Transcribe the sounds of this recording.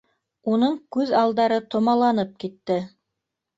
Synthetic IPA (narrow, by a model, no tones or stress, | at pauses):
unɤɴkʉðɑlˠd̪ɑɾɤt̪ŏmɑlˠɑnɤp̚kit̪ːɘ